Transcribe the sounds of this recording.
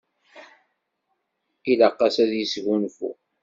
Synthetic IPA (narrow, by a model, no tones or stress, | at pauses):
iləqːɑsæðjəsɣunfṵ